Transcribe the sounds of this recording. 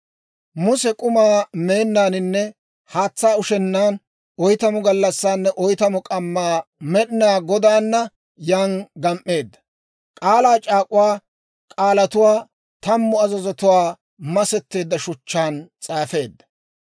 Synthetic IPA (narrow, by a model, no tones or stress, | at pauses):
mʊsɛkʼʊmaːme̞ːnːaːnɪnːɛ | haːt͡sːaːʊʃɛnːaːn | ʔɔjt̪ɐmʊɡɐlːɐsːaːnːɛʔɔjt̪ɐmʊkʼɐmːaːmɛɗɪnaːɡɔd̪aːnːɐ | jaːnɡɐmʔːe̞ːd̪ːɐ̥ | kʼaːlaːt͡ʃʼaːkʼʊwaː | kʼaːlɐt̪ʊwaː | t̪ɐmːʊɐzɐzɔt̪ʊwaː | mɐsɛt̪ːe̞ːd̪ːɐʃʊt͡ʃːaːnt͡sʼaːfe̞ːd̪ːɐ̥